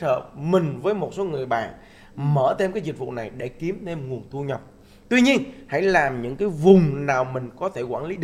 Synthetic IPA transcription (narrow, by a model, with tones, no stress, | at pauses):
ə̰ː˧˨mï˨˩ŋ̟vəː˨˦jmo˨˩t̚so˨˦ŋɨ˨˩əjɓa̰ː˧˨n | məː˧˩t̪ʰe˧mkaː˨˦jzi˨˩k̟̚v̰na˨˩jɗe˧˩ki˨˦əmt̪ʰe˧mŋu˨˩ənt̪ʰu˧ɲə˨˩p̚ | t̪wi˧ɲi˧ənha̰˧˥jlaː˨˩mɲɨ̰˧˥ŋkaː˨˦jvʊ˨˩ŋ͡mnaː˨˩wmï˨˩ŋ̟kɔ˨˦t̪ʰe˧˩kwaː˧˩nli˨˦˨